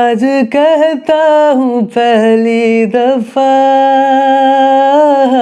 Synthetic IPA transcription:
d͡ʒkɛɦt̪aɦũpɛɦlid̪ɐfa

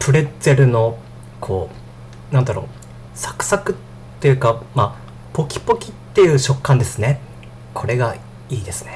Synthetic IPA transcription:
pɯ̟ɾe̞z̥e̞ɾɯ̟no̞ | kʰo̞ː | nãnd̪aɾo̞̰ː | sḁkɯ̟̥sakɯ̟t̪ː | e̞jɯ̟ːkama | po̞kʲi̥po̞kʲit̪ːe̞jɯ̟ːɕo̞kːãnd̪e̞sɨne̞ | kʰo̞ɾe̞ɡa | iːd̪e̞sɨ̥ne

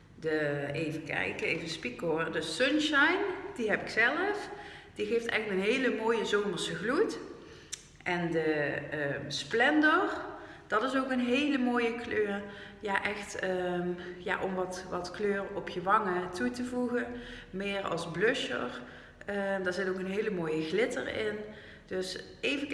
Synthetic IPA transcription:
dəejvəkɛ̰jkəejvənspikodəsønʃajndiɦɛpɪksɛləfd̥iɣejftɛ̰xtmənɦejləmoːjəzoːməɹsəɣlut | ʔɛndəəsplɛndərd̥ɑtɪsokənɦejləmoːjəkløːrjaːʔɛxtəja̰ːʔɔmʋɑtʋɑtkløːrɔpʰjəʋɑŋətutəvuɣənmɪːɹɑ̰lˠzblɵʃə̰ɹ | ədaːɹzɪtowkənɦejləmoːjəɣlɪtə̰rɪ̰n | d̥øs | ejvə

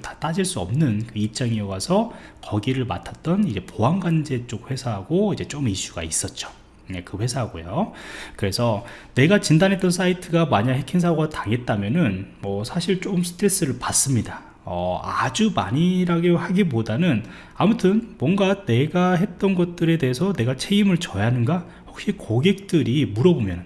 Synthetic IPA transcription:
tḁt͈ad͡ʑiɭs͈uʌ̰mnɯnkɯip̚t͡ɕ͈aŋijʌɡasʰʌkʌɡiɾɯɭma̰tʰḁt̚t͈ʌnid͡ʑe̞poanɡwand͡ʑe̞t͡ɕ͈ok̚ɸwe̞sʰaɦaɡoid͡ʑe̞t͡ɕ͈omiɕ͈uɡa̰is͈ʌt̚t͡ɕ͈o̥ | jekɯɸwe̞sʰaɦaɡo̰jokɯɾe̞sʰʌne̞ɡat͡ɕindanɦet͈ʌns̬ʰaitʰɯɡamaɲaɦe̞kʰins̬ʰaɡataŋe̞t̚t͈amjʌnɯnmʌsʰaɕʰiɭt͡ɕ͈omsʰɯ̥tʰɾe̞s͈ɯɾɯɭpas͈ɯmɲida | ʌa̰d͡ʑumaɲiɾaɡehaɡibodanɯn | amutʰɯnmwʌŋɡane̞ɡaɦe̞t̚t͈ʌnɡʌt̚t͈ɯɾe̞de̞ɦesʰʌne̞ɡat͡ɕʰe̞imɯɭt͡ɕʌjanɯnɡa | hok̚ɕ͈ikoɡe̞k̚t͈ɯɾimuɾʌbomjʌnɯn

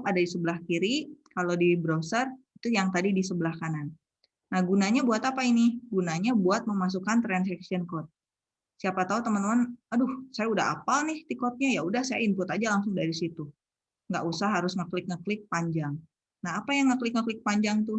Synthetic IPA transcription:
kadadisəbəlahkiɾikalodibɾosərit̪ujaŋt̪adidisəbəlahkananː | ahɡunaɲabuat̪apainiɡunaɲabuat̪̚məmas̬ukant̪ɾansɛksiənkɔt̪̚ | siapat̪aut̪əmənt̪əmənadʊhsajaudaɦa̰palnɪht̪ikɔt̪̚ɲajaudahsajainpʊt̪ad͡ʒalaŋsʊŋdaɾisit̪u | ŋɡaʔusaɦaɾʊsŋəklɪk̚ŋəklɪk̚paɲd͡ʒaŋ | naɦapajaŋəklɪk̚ŋəklɪk̚paɲd͡ʒaŋt̪ʊ

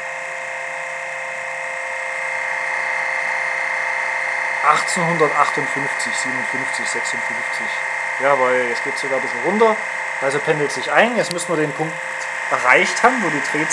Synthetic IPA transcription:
ʔaχt͡senɦʊndɐtʔaχtʊntfʏnft͡sɪçz̥iːbənʊntfʏnft͡sɪçz̥ɛksʊntfʏnft͡sɪç | jaːvaɪlɛsɡ̥eːtz̥oɡaːɐbɪsl̩ʁʊntɐ | ʔalzopʰɛndl̩tz̥ɪçʔaɪnjɛt͡smʏsn̩viːɐdeːnpʰʊŋk | t | ʔɛɐʁaɪçthaːbmnvoːdiːtʁ̥eːt͡s

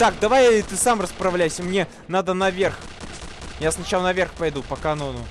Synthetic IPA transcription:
t̪ak̚d̪ɐvajt̪ɨsamrəspɾɐvlʲæjsʲəmnʲe̞ | nad̪ənɐvʲerx | jasnɐt͡ɕalˠənɐvʲerxpɐjd̪upəkɐnonʊ

